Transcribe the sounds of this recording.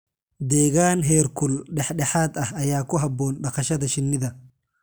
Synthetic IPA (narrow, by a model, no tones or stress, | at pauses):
d̪eːɡaːnɦeːɾkʊlɗɛħɗɛħaːt̪ɐhɐjaːkːɔɦɐbːoːnɗɐkɐʃɐd̪ɐʃɪnːɪd̪ɐ